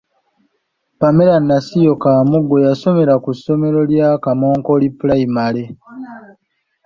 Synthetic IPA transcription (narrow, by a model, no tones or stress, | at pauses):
pame̞ɾanːasijo̞kaːmuɡːo̞jaso̞me̞ɾakusːo̞me̞ɾo̞ljaːkamo̞ːŋko̞lipulaimale̞